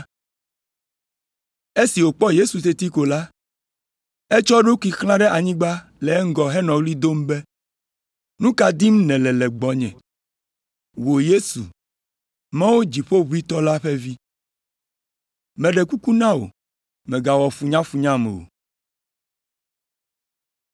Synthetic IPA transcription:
e˦si˨wo˨k͡pɔ˦je˦su˨t̪e˦t̪i˦ko˨la˦ | e˦t͡ʃɔ˦ɖo˦ku˦i˨xlã˦ɖɛ˦ʔa˨ɲĩ˦ɡ͡ba˦ | lɛ˨˦ŋ˦ɡɔ˨ɦɛ˦nɔ̃˨wli˦d̪o˦m˦be˦ | nũ˦ka˨d̪i˦m˦nɛ̃˨lɛ˨lɛ˨ɡ͡bɔ˨ɲɛ̰̃˨ | wo˨je˦su˨ | mã˦wo˦d͡ʑi˨ɸo˦βu˦i˦t̪ɔ˦la˦ɸe˦vi˦ | mɛ̃˨ɖɛ˨ku˦ku˦nã˦wo̰˨ | mɛ̃˨ɡa˨wɔ˨fu˨ɲã˦fu˨ɲã˦mḛ˨o̰˨

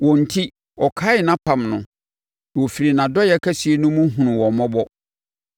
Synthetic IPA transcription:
wɔ̃˨n̩˨tʰi˦ | ɔ˨kʰaː˦ɪ˨nã˦pʰã˦˨mnʊ̃˨ | wɔ˨fi˨ɾi˨nã˨dɔ˦jɛ˦kʰæ˦si˨e˦nʊ̃˦mũ˦ɦũ˨nʊ̃˨wɔ˨mɔ̃˦bɔ˦

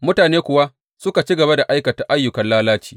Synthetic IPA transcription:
mʊ˦taː˨neː˦kʷʊ˨wa˦ | sʊ˦ka˨t͡ʃi˦ɡɐ˨ba˦da˨ʔa˦jkɐ˨ta˨ʔa˦jːʊ˨kɐ˨nlaː˦laː˦t͡ʃi̥ː˨

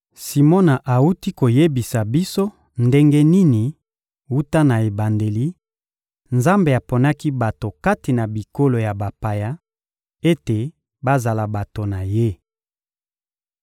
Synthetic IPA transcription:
si˨mo˦na˨ʔa˨u˦ti˦ko˨je˦bi˨sa˨bi˦so˦ | nde˦ŋɡe˦ni˦ni˨ | wu˦ta˦na˨e˨ba˨nde˨li˦ | nza˦mbe˨a˨po˨na˦ki˦ba˨to˨ka˦ti˨na˨bi˨ko˦lo˨ja˨ba˨pa˨ja˦ | e˦te˨ | ba˦za˨la˨ba˨to˨na˨je˦

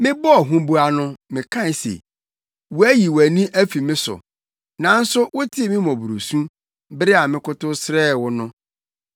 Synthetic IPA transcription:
mɪ̃˦bɔ˦ɔ˨ɦũ˦bu˦a˦nʊ̃˦mɪ̃˨kʰã˦˨sḛ˨ | wu˨˦æ˦ji˨wæ˨nĩ˦ʔæ˦fi˨mɪ̃˦sʊ̰˨ | nã˨˦n̩˦sʊ˦wʊ˦tʰɪ˦e˦˨mɪ̃˦mɔ̃˨bu˨ɾo˨sũ˦ | bɾɪ˦a˨mɪ̃˦kʊ˦tʊ˦sɾɛː˦˨wʊ˦nʊ̃˦

